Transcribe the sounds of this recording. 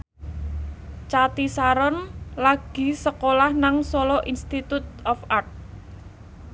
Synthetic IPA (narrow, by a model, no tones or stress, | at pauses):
t͡ʃat̪isaɾɔnlaɡ̥i̤səkolahnaŋsolɔʔinst̪it̪ut̪̚ɔfart̪̚